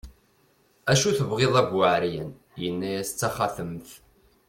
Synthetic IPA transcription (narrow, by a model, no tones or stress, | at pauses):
æʃuθəvʁeðˤæɡʷaʕɾjə̰n | jənːæjæst͡sːæχæθəmθ